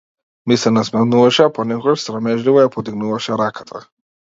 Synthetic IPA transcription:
misɛnasmɛnuvaʃɛapɔnɛkɔɡaʃsɾamɛʒlivɔjapɔt̪iɡnuvaʃɛɾakʰḁt̪ʰa

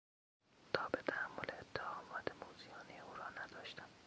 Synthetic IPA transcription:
t̪ʰɒːbet̪ʰæhæmːolʔeeːt̪ʰːehɒːmɒːt̪ʰemoːzijɒːnieuːɾɒːnæd̪ɒːʃt̪æm

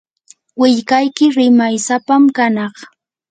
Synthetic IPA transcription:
wɪʎkajkɪɾɪmajsapamkanɑχ

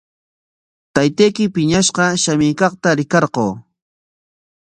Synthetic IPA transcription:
t̪ajt̪ejkɪpɪɲaʃqɑʃamɪːkɑqt̪aɾɪkɑɾqoː

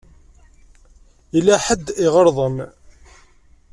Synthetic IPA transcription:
ilːæħəd̪ːɪʁəɾˤðˤəm

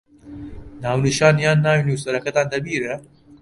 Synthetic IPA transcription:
naːwnɨʃaːnjaːnːaːwinuːsɐɾɐkɐt̪aːnd̪ɐbiːɾɛ

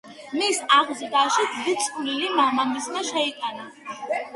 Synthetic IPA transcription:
misaʁzd̪aʃid̪d̪it̪sʼχʼlilimamaŋɡismɛʃɛit̪ʼana

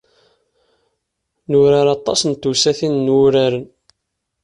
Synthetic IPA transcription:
nuɾaɾɑt̪ˤːɑ̰snt̪ːusæθinːwʊɾaɾən

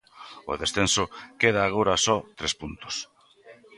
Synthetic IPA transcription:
o̰ðesθensokeð̞aːɣ̞oɾasɔt̪ɾespunt̪o̥s

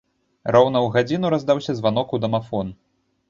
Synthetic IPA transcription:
rɔwn̪ɐwɣad͡zʲinuɾazd̪awsʲɐzvanɔkud̪ɐmafɔn

